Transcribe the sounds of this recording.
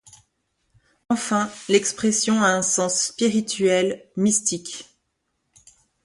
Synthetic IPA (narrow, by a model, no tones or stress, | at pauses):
ɑ̃fɛ̃lɛkspχɛsjɔ̃aɛ̃sɑ̃sːpiʁit̪ɥɛlmist̪ik